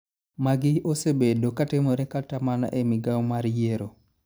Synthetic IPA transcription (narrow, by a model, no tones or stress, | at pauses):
maɡɪosebedokatɪmoɾɛkatamana̰ʔemɪɡawmaɾjeɾo